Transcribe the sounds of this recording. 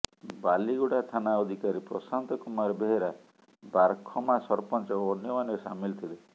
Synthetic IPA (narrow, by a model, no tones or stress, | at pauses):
baliɡuɽat̪ʰanaɔd̪ʱikaɾipɾɔ̰sant̪ɔkumaɾɔbeɦeɾa | baɾkʰɔmasɔɾpɔnt͡ʃɔɔnjɔmanɔsa̰milt̪ʰile